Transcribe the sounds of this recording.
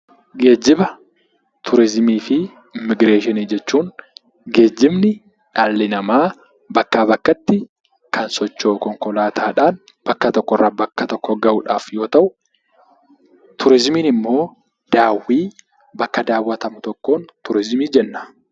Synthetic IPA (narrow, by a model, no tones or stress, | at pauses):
ɡe̞ːd͡ʒːɪbɐ | t̪ʰʊɾɪzmiːfɪ | ɪmːɪɡɾe̞ːʃɪniːd͡ʒɛt͡ʃːuːn | ɡe̞ːd͡ʒːɪmnɪ | ᶑaːlːɪnɐmaː | bɐkːaːbɐkːɐt̪ːɪ | kɐnsɔt͡ʃːoːkɔŋkɔlaːt̪ʰaːᶑaːn | b̥ɐkːɐt̪ɔkːɔrːɐbɐkːɐt̪ɔkːɔɡɐʔʊᶑaːfjo̞ːt̪ɐʔʊ | t̪ʊɾɪzmiːnɪmːo̞ː | d̪̥aːwːiː | bɐkːɐd̪aːwːɐt̪ɐmʊt̪ɔkːoːnt̪ʊɾɪzmiːd͡ʒɛnːɐ̥